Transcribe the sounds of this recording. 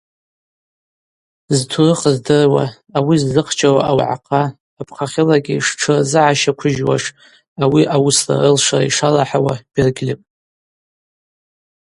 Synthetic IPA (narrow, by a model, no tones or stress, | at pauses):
ztʰurɨχəzdɨrwa̰ː | wizːɨqʰt͡ʃʼawaʔawʕa̰qʰʼaː | pʰχaχʲɪlaɡʲiʂʈ͡ʂʰɨrzɨʕaʃakʷʰʊʒwa̰ʂ | awiʔawʊsla̰rɨlʂara̰iʂalaħawab̥ɪrɡʲlipʼ